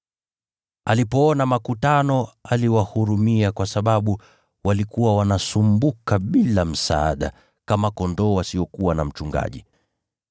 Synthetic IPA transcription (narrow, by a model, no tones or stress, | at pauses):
alipɔɔnamakutanɔaliwahuɾumiakwasaɓaɓu | walikuwawanasumbukaɓilam̩sa̰a̰ɗa̰ | kamakɔndɔːwasiɔkuwana̰m̩t͡ʃuŋɡa̰ʄi